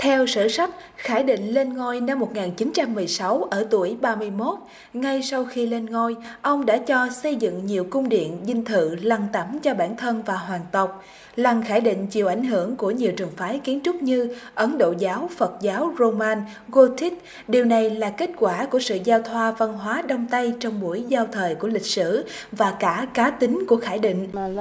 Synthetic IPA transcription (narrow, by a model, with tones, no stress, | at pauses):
t̪ʰɛ˧wsɨ̰˧˨sa˦˥t̚xaː˧˩jɗḭ̈˧˨ŋ̟le˧nŋo˧jna˧mːo˨˩t̚ŋaː˨˩nt͡ɕi˨˦nt͡ɕa˧mːɨ˨˩əjsa˨˦wʔəː˧˩t̪u˧˩əjɓaː˧mɨ˧əjmo˦˥t̚ | ŋa˧jsa˧wxi˧le˧nŋo˧jʔə˧wŋ͡mɗa̰ː˧˥t͡ɕɔ˧sə˧jzɨ̰˧˨ŋɲi˨˩əwkʊ˧wŋ͡mɗḭ˧˨ənzï˧ŋt̪ʰɨ̰˧˨la˧˩ŋt̪ə˧˩mt͡ɕɔ˧ɓaː˧˩nt̪ʰə˧nvaː˨˩ɦwaː˨˩ŋt̪ə˨˩wk͡p̚ | la˨˩ŋxaː˧˩jɗḭ̈˧˨ŋ̟t͡ɕḭ˧˨əwʔa˧˩jŋ̟ɦɨ˧˩əŋku˧˩əɲi˨˩əwt͡ɕɨ˨˩əŋfaː˨˦jki˨˦ənt͡ɕʊ˦˥k͡p̚ɲɨ˧ʔə˨˦nɗo̰˧˨zaː˨˦wfə˨˩t̚zaː˨˦wzo˧maː˧n | ɣo˧t̪ʰi˦˥t̚ | ɗi˨˩əwna˨˩jlaː˨˩ke˦˥t̚kwaː˧˩ku˧˩əsɨ̰˧˨zaː˧wt̪ʰwaː˧va˧nɦwaː˨˦ɗə˧wŋ͡mt̪a˧jt͡ɕɔ˧wŋ͡mɓu˧˩əjzaː˧wt̪ʰəː˨˩jku˧˩əlï˨˩k̚sɨ˧˩vaː˨˩kaː˧˩kaː˨˦t̪ï˨˦ŋku˧˩əxaː˧˩jɗḭ̈˧˨ŋ̟